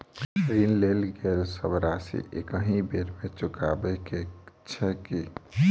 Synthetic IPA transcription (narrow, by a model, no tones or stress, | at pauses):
ɾinlelɡelsəbɾasḭʔekəɦĩbeɾmet͡ʃuka̰bɛket͡ʃʰɛki